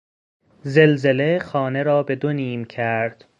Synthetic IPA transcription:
zelze̞le̞xɒːne̞ɾɒːbe̞d̪oniːmcʰæɾd̪̥

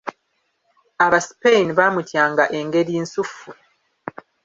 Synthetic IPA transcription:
aβasi̥peiniβaːmutjaːŋɡaʔe̞ŋɡe̞ɾiːnsufu

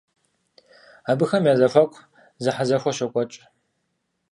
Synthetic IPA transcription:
aːbɨxɐmjaːzɐfɐkʷʼ | zɨħazɐxʷɔʃɐkʷʼɔt͡ʃʼ

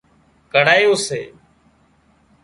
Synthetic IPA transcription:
kəɽaːjoːsḛː

